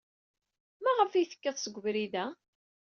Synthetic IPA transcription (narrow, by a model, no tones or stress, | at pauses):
mæʁəfijθə̥kːæðˤsəɡʷːvɾiðæ